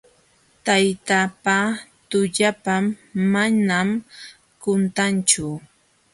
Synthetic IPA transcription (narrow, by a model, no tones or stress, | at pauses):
t̪ajt̪apat̪ʊʎapamːanam | kʊnt̪ant͡ʃʊ